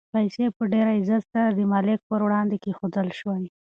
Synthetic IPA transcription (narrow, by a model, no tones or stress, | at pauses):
pajsepəɖeɾaɪzat̪saɾad̪əmɑlɪk̚pəɾwɽɑnd̪ekexod̪əlʃwaj